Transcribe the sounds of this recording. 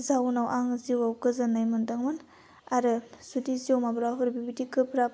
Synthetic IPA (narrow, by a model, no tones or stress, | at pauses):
zawnawʔaŋziwawkɯzɯnajmɯndaŋmɯn | aɾɯsudiziowmabɾaɦuɾbibitikɯpɾap